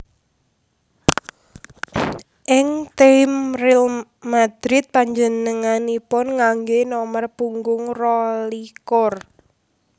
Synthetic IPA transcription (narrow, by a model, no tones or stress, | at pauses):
ʔɪŋt̪emrɪl | mad̪̥ɾɪt̪̚paɲd͡ʒənəŋanipɔnŋaŋɡenɔmərpuŋɡʊŋrɔlikɔr